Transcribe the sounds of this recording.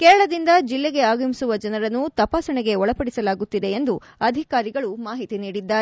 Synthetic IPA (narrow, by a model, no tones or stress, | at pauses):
kɛːɾɐɭɐd̪ind̪ɐd͡ʒilːeɡe̞aːɡɐmisuʋɐd͡ʒɐnɐɾɐnːut̪ɐpaːsɐɳɛɡe̞ɔɭɐpɐɽisɐlaːɡut̪ːid̪e̞end̪u | ɐd̪ʱikaːɾiɡɐɭumaːɦit̪iniːɽid̪ːaːe